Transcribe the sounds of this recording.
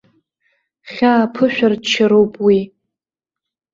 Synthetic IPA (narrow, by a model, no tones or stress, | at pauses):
χʲaːpʰɨʃᶣardt͡ʃʰaɾowpʼwi